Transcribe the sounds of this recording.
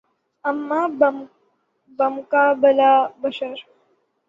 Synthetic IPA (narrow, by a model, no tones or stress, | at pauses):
əmːab | bəmkabəlabəʃəɾ